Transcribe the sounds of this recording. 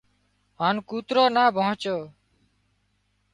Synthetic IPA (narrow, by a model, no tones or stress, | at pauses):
ɦaːnkuːt̪ɾoːnaːbʱɔõt͡ʃoː